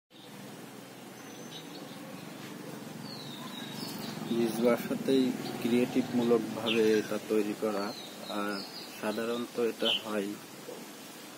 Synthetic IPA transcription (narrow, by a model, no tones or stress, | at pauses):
nid͡ʑbaʃat̪ejkɾieʈibmulok̚bʱaβeeʈat̪ojɾikɔɾa | aɾ | ʃad̪ʱaɾont̪oeʈaɦɔj